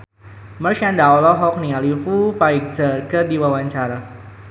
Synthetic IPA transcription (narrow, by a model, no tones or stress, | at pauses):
mərʃandaɔlɔɦɔk̚niŋalifufaik̚zərkərdiwawaɲt͡ʃaɾa